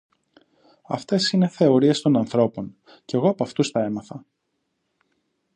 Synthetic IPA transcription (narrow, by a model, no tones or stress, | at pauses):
ɐ̰ft̪e̞sine̞θe̞o̞ɾiest̪o̞nɐnθɾo̞po̞n | ce̞ɣoɐpɐft̪ust̪ɐe̞mɐθɐ